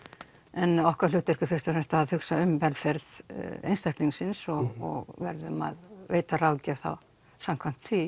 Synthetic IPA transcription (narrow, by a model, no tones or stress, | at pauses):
ɛnɔhkaɾlʏːt̪ɪr̥kʏfɪ̥st̪ʏɾɛmst̪aðhʏksaʏmvɛlfɛɾðḛjnst̪ahk̪liŋsɪnsɔɣɔ̰ɣvɛɾðʏma̰ðveːjt̪arawcavθa̰w | sam̥kʰvam̥t̪θvi